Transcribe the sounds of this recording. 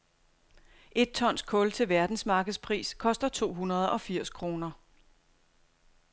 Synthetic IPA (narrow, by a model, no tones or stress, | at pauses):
ʔe̝d̥̚t͡sʰɒ̽n̰skʰɔ̽lt͡sʰe̝lʋæɐd̥n̩smɑ̈ːɡ̥əð̩ˠspʰʁḭːskʰɒ̽sd̥ɐt͡sʰo̝̰ːɦunɐð̞ˠɒ̽fiɐ̰skʰʁo̝ːnɐ